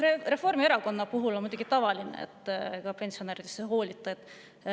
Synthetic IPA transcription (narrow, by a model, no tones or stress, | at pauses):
rere̞fo̞rmieɾɑko̞nːɑpuɦulo̞nmud̪uɡ̥it̪ɑvɑlinḛḛt̪ːˑkɑpe̞nʲsio̞neːɾid̪̥esːeɦo̞ːlʲit̪ːˑɑet̪ːˑ